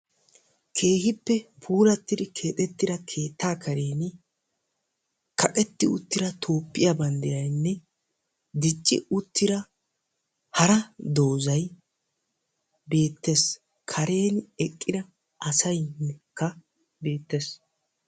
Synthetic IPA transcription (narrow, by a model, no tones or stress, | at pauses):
kʰe̞ːhɪpːɛpʰuːɾɐt̪ːɪd̪ɪkʰe̞ːt̪ʼɛt̪ːɪd̪ɐkʰe̞ːt̪ːaːkɐɾe̞ːn | kʰɐkʼɛt̪ːɪʊ̰t̪ːɪɾɐt̪ʰo̞ːpːɪjɐbɐnd̪ɛjɐjnːɛ | d̪ɪt͡ʃʼːɪ̰ʊt̪ːɪɾɐ | hɐɾɐd̪o̞ːzɐj | be̞ːt̪ːes | kʰɐɾe̞ːnɛkʼːɪd̪ɐ | ʔɐsɐjnːɛkːɐ | be̞ːt̪ːes